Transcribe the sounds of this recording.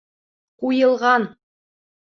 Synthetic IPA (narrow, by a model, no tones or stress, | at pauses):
qujɤ̆lˠʁɑn